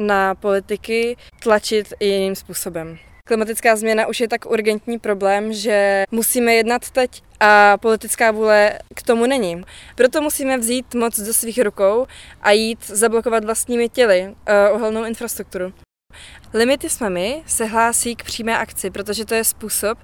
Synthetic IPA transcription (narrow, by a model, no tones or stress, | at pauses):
napo̞lɪt̪ɪkɪ | t̪lat͡ʃɪt̪jɪniːmspuːso̞bɛm | klɪmat̪ɪt͡skaːzmɲɛnaʔuʃjɛt̪akuɾɡɛnt̪ɲiːpɾo̞blɛːmʒɛmusiːmɛjɛdnat̪ːɛc | ʔapo̞lɪt̪ɪt͡skaːvuːlɛkt̪o̞munɛɲɪpɾo̞t̪o̞musiːmɛvziːt̪mot͡sdosviːxɾuko̞wʔajiːt̪zablokovat̪vlast̪ɲiːmɪcɛlɪʔoɦɛlnowɪnfɾast̪ɾuk̚t̪uɾu | lɪmɪt̪ɪsmɛmɪsɛɦlaːsiːkpr̥iːmɛːʔakt͡sɪpɾo̞t̪̬o̞ʒɛt̪o̞jɛspuːsop̚